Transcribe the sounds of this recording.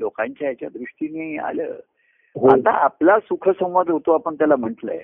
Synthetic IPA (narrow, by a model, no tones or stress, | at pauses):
lokaɲt͡ɕajat͡ɕjad̪ɾuʂʈiniːa̰lə̰ː | ɦat̪aaplasukʰəsə̃w̃ʋad̪ʱɦot̪oapəɳt̪jalam̤əʈlə̰j